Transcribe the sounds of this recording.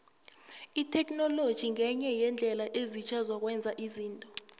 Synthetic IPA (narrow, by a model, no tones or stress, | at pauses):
itʰɛk̬ʼnɔlod̥ʒ̥ʱiŋʱɛɲɛjɛnd͡ɮʱɛlaʔezit͡ʃʰazwak̬ʼwɛnd͡zʱaʔiziːntʼɔ